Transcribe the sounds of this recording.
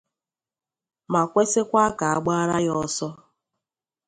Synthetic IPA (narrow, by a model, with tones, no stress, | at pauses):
ma˨kʷe˦se˦kʷa˦ka˨a˦˨ɡ͡ba˦ɾa˦jɔ˦sɔ˦